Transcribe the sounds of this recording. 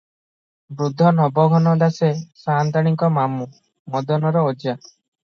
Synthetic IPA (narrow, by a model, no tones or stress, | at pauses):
bɾud̪ʱːɔnɔbɔɡʱɔnɔd̪asesant̪aɽ̃iŋkɔmamu | mɔd̪ɔnɔɾɔod͡ʒa